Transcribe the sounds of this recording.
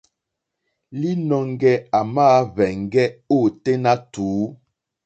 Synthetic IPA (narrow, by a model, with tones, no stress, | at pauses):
li˦nɔ˨ŋ˦ɡɛ˦a˨maː˦vɛ˨ŋ˨ɡɛ˦o˦˨te˦na˦tuː˨˦